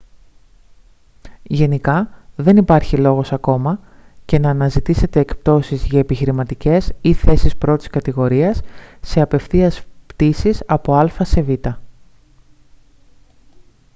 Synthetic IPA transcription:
ʝe̞nikɐðe̞nipɐɾçilo̞ɣo̞sɐko̞mɐ | ce̞nɐːnɐzit̪ise̞t̪e̞ːkpt̪o̞sizʝɐepiçiɾimɐt̪ice̞siθe̞sispɾo̞t̪i̥skɐt̪iɣo̞ɾiɐsːe̞ɐpe̞fθiɐspt̪isisɐpo̞ɐlfɐse̞vit̪ɐ

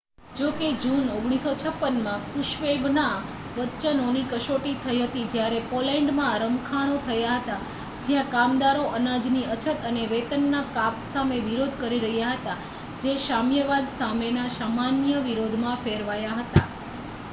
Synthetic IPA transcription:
d͡ʒoked͡ʒunoɡɽ̃isot͡ʃʰəpːənmãkuʃʋebna | ʋət͡ʃənonikəʃoʈit̪ʰəiɦət̪id͡ʒjaɾepolɛ̃ɳɖmãɾəmkʰaɽ̃ot̪ʰəjaɦət̪a | d͡ʒjãkamd̪aɾoʔənad͡ʒniət͡ʃʰət̪əneʋet̪ənːakapsameʋiɾod̪ʱkəɾiɾəɦjaɦət̪a | d͡ʒeʃamjəʋad̪samenasamanjəʋiɾod̪ʱmãfeɾʋajaɦət̪a

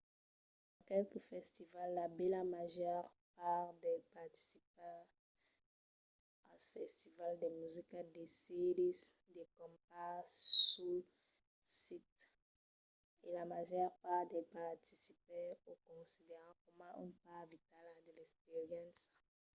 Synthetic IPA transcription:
ãkɛlkəfɛst̪ivalːabɛlamaʒœʁpaʁd̪ɛlpaʁt̪i̥sip̚ã | asfɛst̪ivald̪emyzikad̪eselis | d̪ekɔ̃mpasu | sit̪ | elamaʒɛʁpaʁd̪ɛpaʁt̪i̥sipɛokɔ̃sid̪eʁãkɔmãỹ̰npaʁvit̪ald̪elɛkspeʁjɑ̃ns

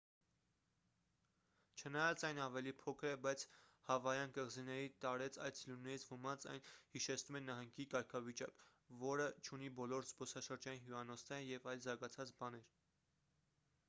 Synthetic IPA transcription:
t͡ʃʰənɑjɑt͡sɑjnɑvɛlipʰɔkʰəɾɛbɑjt͡sʰhɑvɑjɑnkəʁzinɛɾit̪ɑɾɛt͡sʰɑ̰jt͡sʰlunːɛɾit͡sʰvəmɑnt͡sɑ̰jnhiʃɛt͡sʰnumɛnɑɦɑŋɡikɑɾkʰɑvit͡ʃɑ̰k | vɔɾət͡ʃʰunibɔlɔɾzbɔsɑʃəɾd͡ʒɑjinɦjuɑnɔsnɛɾəjɛvɑjlzɑɾɡɑt͡sʰɑt͡sbɑnɛɾ

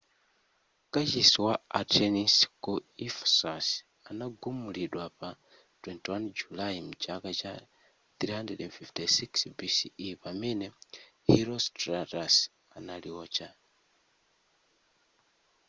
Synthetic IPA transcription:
kat͡ʃisiwaatʰɛniskuifsɔs | anaɡumuliɗwapa | twɛntiwand͡ʒulajimut͡ʃakat͡ʃa | θɾihandɛdɛnfiftisiksbisiipamɛnɛhiɾɔstratas | analiwɔːt͡ʃa

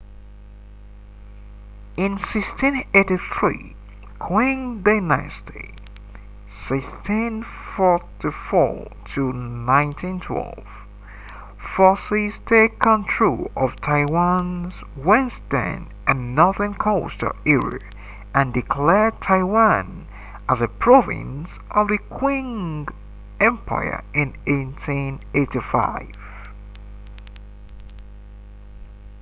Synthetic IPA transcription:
ɪ̃nsɪkstʰĩneɪɾiθɹḭ | kʰw̥ĩŋdaɪna̰stʰḭ | sɪkstʰĩn | fɔɹtifɔ̰tʰənãɪ̃ntʰĩntʰwɛ̰lˠv̥ | fɔsisdekʰə̃ntʰɹ̥ṵʌv̥tʰaɪwãnz | wɛ̃nstə̰̃n | ʔɨ̃nːɔðə̃nkʰoʊstə̰iɹə̰ | ʔɨ̃ndɨkʰl̥ɛɹd̚tʰaɪwãn | ʔəzɨpʰɹ̥ɔvɪ̰̃ns | ʔʌvðɨkʰw̥ɪ̃ŋ | ɛ̃mpʰa̰ɪə̰ɪ̃neɪtʰĩneɪtifa̰ɪv̥

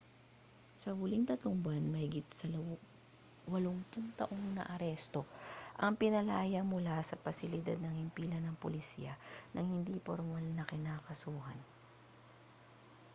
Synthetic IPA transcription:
sɐhʊliŋt̪ɐt̪loŋbanmɐhɪɡit̪̚sɐ | wɐloŋt̪ʊŋt̪ɐʔo̞ŋnɐ̰ʔɐɾɛst̪o̞ʔɐŋpɪnɐlaːjɐŋmʊlasɐpɐsɪlɪd̪a̰d̪̚nɐŋhɪmpiːlɐnɐŋpʊlɪsiːɐnʔɐŋhɪnd̪ipoɾmalnɐkɪnaːkɐsuːhɐ̰n

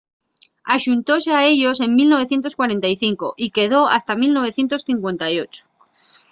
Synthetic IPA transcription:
aʃunt̪o̞seae̞ʎo̞se̞ŋmilno̞β̞e̞θje̞nt̪̬okwaɾe̞nt̪ajθiŋko̞̰ʔike̞ð̞o̞a̰st̪amilno̞β̞e̞θje̞nt̪o̞sθiŋkwe̞nt̪ajo̞t͡ʃo̥

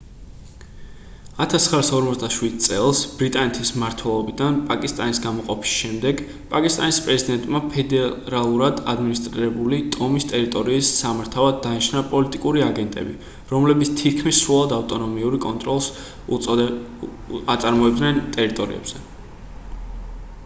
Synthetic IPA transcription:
at̪ʰasχɾasɔɾmɔt̪sd̪aʃwid̪̚t̪sʼɛlˠsb̥ɾit̪ʼanɛt̪ʰismaɾt̪ʰwɛlˠɔbid̪anpʼakʼist̪ʼanisɡamɔqʼɔpʰi̥sʃɛmd̪ɛɡ | pʼakʼist̪ʼanispʼɾɛzid̪ɛnt̪ʼmapʰɛd̪ɛɾalˠuɾad̪ad̪minist̪ʼɾiɾɛbulid̪ʼɔmist̪ʼɛɾit̪ʼɔɾiːsːamaɾt̪ʰavad̪ːanɛt͡ʃʰnapʼɔlit̪ʼikʼuɾiaɡɛnt̪ʼɛ̰bḭ | ɾɔmlɛbit̪st̪ʰit̪kʰmisːɾulˠad̪aft̪ʼɔnɔmiuɾikʼɔnt̪ʼɾɔlˠs | at̪sʼaɾmɔɛbd̪nɛnt̪ʼɛɾit̪ʼɔɾḭɛ̰bz̥ɛ

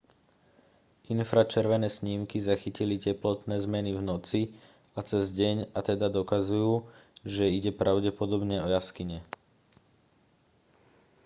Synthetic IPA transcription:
ʔinfɾat͡ʃɛɾʋɛnɛːsɲiːmkizaxicilicɛplɔt̪nɛːzmɛnivnɔt͡si | at͡sɛzɟɛɲat̪ɛd̪ad̪ɔkazujuːʒɛiɟɛpɾʔaʊɟɛpɔd̪ɔbɲɛɔjaskiɲɛ

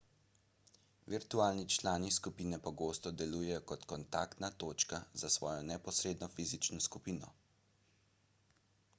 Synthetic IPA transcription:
ʋiɾt̪uaːlnit͡ʃlaːniskupiːnɛpɔɡoːst̪ɔd̪ɛluːjɛjɔkɔt̪kɔnt̪a̰ːkt̪nat̪oːt͡ʃkazasʋɔːjɔnɛpɔsɾeːd̪nɔfiːzit͡ʃnɔskupiːnɔ

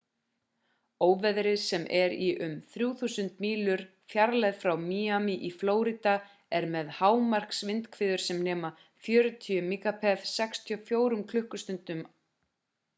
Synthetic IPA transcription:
oːwvɛðɾɪsɛmʔɛɾiʔʏmθɾjuːθuːsʏnt̪miːlʏɾ̥ | fjaɾlajðfɾawmiːamiʔifloːwɾit̪a | ɛɾmɛðhaːwmar̥ksvɪnt̪kʰvɪːðʏɾ̥sɛmnɛːma | fjœːɾʏt̪ʰiʏmiːkapʰɛðsɛkst̪ʰijɔfjoːwɾʏmkʰlʏhkʏst̪ʏnt̪ʏm

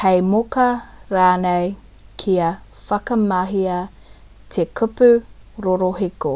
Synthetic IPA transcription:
hɐjmokɐɾaːnej | kʰiɐ | fɐkɐmɐɦiɐ | t̪ʰekʰʉpʉ | ɾoɾoɦiko

